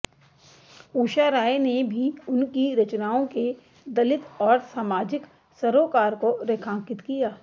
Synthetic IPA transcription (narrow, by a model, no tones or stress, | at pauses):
uːʃaɾaːenebʱiʊnkiɾɐt͡ʃnaːõke | d̪ɐlɪt̪ɔːɾsaːmaːd͡ʒɪk | sɐɾoːkaːɾkoɾeːkʰãːŋkɪt̪kijaː